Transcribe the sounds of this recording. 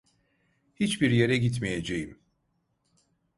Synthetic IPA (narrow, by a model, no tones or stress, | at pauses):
hit͡ʃbiɾje̞ɾɛɟit̪meje̞d͡ʒejim